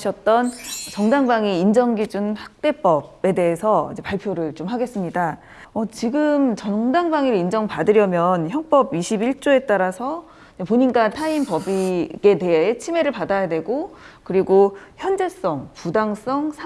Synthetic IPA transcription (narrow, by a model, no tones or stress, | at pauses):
ɕʰʌt̚t͈ʌnt͡ɕʌŋdaŋbaŋiind͡ʑʌŋɡid͡ʑunhak̚t͈e̞p͈ʌbe̞de̞ɦesʰʌḭd͡ʑe̞paɭpʰjoɾɯɭt͡ɕomɦaɡe̞s͈ɯmɲida | ʌt͡ɕiɡɯmt͡ɕʌŋdaŋbaŋiɾind͡ʑʌŋpadɯɾjʌmjʌnçjʌŋp͈ʌbiɕʰibiɭt͡ɕ͈oe̞t͈aɾasʰʌ | d͡ʑepoɲinɡatʰaimpʌbiɡe̞de̞ɦeet͡ɕʰime̞ɾɯɭpadajadwe̞ɡokɯɾiɡoçjʌnd͡ʑe̞s͈ʌŋpudaŋs͈ʌŋsʰa